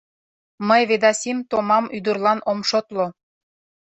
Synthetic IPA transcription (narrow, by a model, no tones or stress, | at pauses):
məjβed̪ɑsʲimt̪omɑmyd̪urlɑnomʃot̪lo